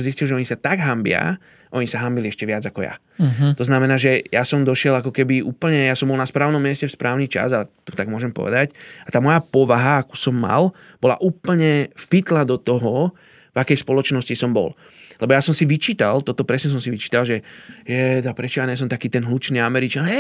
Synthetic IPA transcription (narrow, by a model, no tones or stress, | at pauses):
zis̬cilˠʒɛɔɲisat̪aɡɦambɪa̰ | ʔɔɲisaɦambiliɛʃcɛʋɪad͡zakɔja̰ | t̪ɔznamɛnaːʒɛjasɔmd̪ɔʃɪɛlakɔkɛbiʔuːpl̩ɲɛjasɔmbɔlnaspɾaːʊnɔmːɪɛscɛfspɾʔaːʊniːt͡ʃa̰zalɛt̪ut̪aɡmʊɔʒɛmpɔ̰ʋɛ̰d̪acat̪aːmɔjapɔʋaɦaaku̥sɔmːa̰l | bɔla̰ʔuːpl̩ɲɛfit̪lad̪ɔt̪ɔɦɔ | vakɛjspɔlɔt͡ʃnɔscisɔmbɔ̰l | lɛbɔjasɔmsiʋit͡ʃiːt̪alt̪ɔt̪ɔpɾɛsɲɛs̬ɔmsiʋit͡ʃiːt̪alʒɛjɛd̪apɾɛt͡ʃɔjaɲɛs̬ɔmt̪akiːt̪ɛnɦlut͡ʃniːamɛɾit͡ʃanɛ